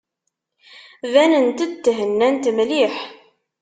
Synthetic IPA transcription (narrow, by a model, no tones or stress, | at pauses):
vænənt̪əd̪t̪ːɦənːænt̪mliħ